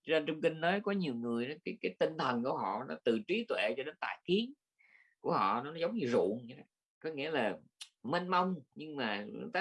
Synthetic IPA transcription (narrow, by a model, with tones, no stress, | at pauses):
t͡ɕɔ˧ne˧nt͡ɕʊ˧ŋ͡mkï˧ŋ̟nəː˨˦jkɔ˨˦ɲi˨˩əwŋɨ˨˩əjnɔ˨˦kaː˨˦jkaː˨˦jt̪ï˧ŋt̪ʰə˨˩nku˧˩əɦɔ̰˧˨nɔ˨˦t̪ɨ˨˩t͡ɕwi˨˦t̪wḛ˧˨t͡ɕɔ˧ɗe˨˦nt̪a̰ː˧˨jki˨˦əŋ | ku˧˩əhɔ̰˧˨nɔ˨˦nɔ˨˦zə˨˦wŋ͡mɲɨ˧zṵ˧˨ənɲa˧˦a˨˦ | kɔ˨˦ŋi˧˥əlaː˨˩ | me˧nma˧wŋ͡mɲɨ˧ŋmaː˨˩˧t̪a˨˦